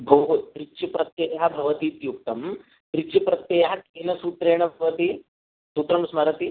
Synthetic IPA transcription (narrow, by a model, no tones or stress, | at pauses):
ɡɐwɦup̪ɾit͡ʃipɾɐt̪jɐːjɐɦɐbʱɐʋɐt̪it̪juk̚t̪ɐm | t̪ɾit͡ʃipɾɐt̪jɐːjɐɦɐkinɐsuːt̪ɾeːɳɐbʱɐʋɐt̪i | suːt̪ɾɐmsmɐɾɐt̪i